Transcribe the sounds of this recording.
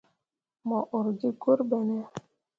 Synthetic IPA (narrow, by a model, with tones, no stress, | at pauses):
mɔ˨ʔo˨ɾd͡ʒi˦ɡo˦ɾbɛ˨nɛ˦